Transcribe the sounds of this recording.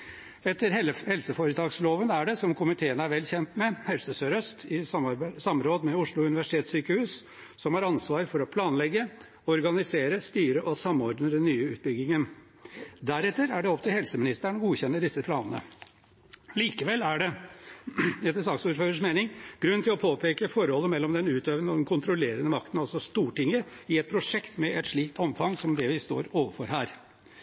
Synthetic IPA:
ɛt̪ːəɾhɛlsəfoɾət̪ʰɑːɡsloːʋənæɖɛsɔmkʊmɪt̪ʰeːənəæɾʋɛlçɛnt̪mɛhɛlsəsøːɾœst̪ʰɪsɑmɾoːd̪mɛʊʂɭʊʉnɪʋæʂɪt̪ʰeːt̪syːkəhʉːs | sɔmhɑːɾɑnsʋɑːɾfɔɾɔpʰlɑːnlɛɡə | ɔɾɡɑnɪseːɾəst̪yːɾəʔɔsɑmɔɾɖ̪nəd̪ɛnːyːəʉːt̪̚bʏɡːɪŋən | d̪æɾɛt̪ːəɾæɖɛɔpt̪ʰɪlhɛlsəmɪnɪst̪æɳɡuːçɛnːəɖɪsəpʰlɑːnənə̰ | liːkəʋɛlːæɖɛ | ɛt̪ːəsɑksuːɾføːɾəʂmeːnɪŋɡ̥ɾʉnt̪ɪlɔpʰoːpʰeːkəfɔɾhɔlːəmɛlːɔmd̪ɛnʉːt̪øːʋənɔd̪ɛnkʰʊnt̪ɾɔleːɾənəmɑk̚t̪ən̩ɑlsɔst̪uːʈɪŋːəɪɛt̪̚pʰɾʊʂɛkt̪mɛʔɛt̪ʂɭiːk̚t̪ʰɔmfɑŋːsɔmd̪ɛʋɪst̪o̰ːɾoːʋəfɔɾɦæːɾ

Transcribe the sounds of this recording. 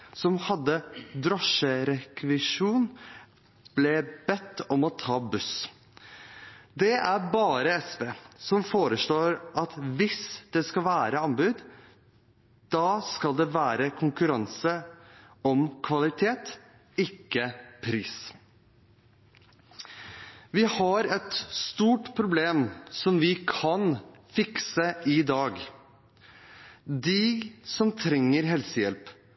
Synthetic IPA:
sɔmhɑd̪ːəd̪ɾɔʂəɾɛkʋɪʂuːn | b̥lɛb̥ɛt̪ːɔmɔt̪ʰɑːbʉs | d̪ɛʔæɾbɑːɾəɛspeːsɔmfoːɾəʂɭoːɾʔɑt̪ʋɪsd̪̥ɛskɑlʋæːɾəɑnbʉːd̪ | d̪̥ɑːskɑld̪ɛʋæːɾəkʰʊŋkʉɾɑnsə | ɔmkʰʋɑlɪt̪ʰeːt̪ | ɪkːəpʰɾiːs | ʋɪhɑɾɛt̪st̪uːʈpʰɾʊbleːmsɔmʋɪkʰɑnfɪksəɪd̪ɑːɡ | d̪ɪsɔmt̪ʰɾɛŋːəɾɦɛlsəjɛlp

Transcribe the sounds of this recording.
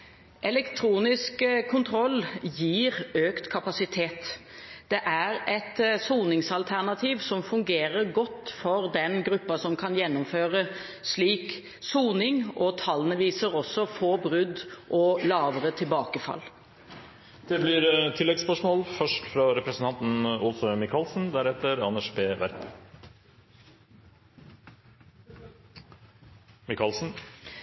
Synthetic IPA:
ʔɛlɛkt̪ʰɾuːnɪskkʰʊnt̪ʰɾɔlːjiːɾøːkt̪kʰɑpɑsɪt̪ʰeːt̪ | d̪̥ɛʔæɾɛt̪suːnɪŋsɑlt̪ʰæʁnɑt̪ʰiːʋsɔmfʉŋɡeːɾəɾɡɔt̪ːfɔɾd̪ɛnɡɾʉpːɑsɔmkʰɑnjɛnːʊmføːɾə | sliːk | suːnɪŋɔt̪ʰɑlənəʋiːsəɾɔsːɔfoːbɾʉd̪ʔɔlɑːʋəɾət̪ʰɪlbɑːkəfɑ̰lː | d̪̥ɛblɪɾt̪ʰɪlːɛɡspœʂmoːlfœʂʈfɾɑɾɛpɾəsn̩t̪ɑnt̪n̩ɔlsɔmɪkʰɑlsn̩d̪æɾɛt̪ːəɾɑnæʂbeːʋæ̰ɾp | mɪkɑlsn̩

